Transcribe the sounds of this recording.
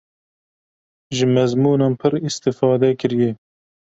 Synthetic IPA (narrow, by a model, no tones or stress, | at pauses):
ʒɨmɛzmuːnɑːnpʰɨɾist̪ɪfɑːd̪ɛkɨɾjɛ